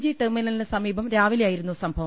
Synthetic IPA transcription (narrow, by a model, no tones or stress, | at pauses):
d͡ʑiʈerminɐninɨsɐmiːbʱɐmɾaːʋiljaːjiɾunːusɐmbʱɐʋɐ